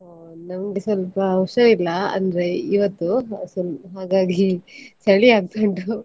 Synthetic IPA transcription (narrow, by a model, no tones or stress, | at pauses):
ɦnɐmɐɡesʋɐlpɐːwʃɐʋilːɐɐ̰nd̪ɐɾe̞iʋɐt̪ːusɐlɦaːɡaːɡit͡ʃɐɭiaːɡ̚t̪oɳʈu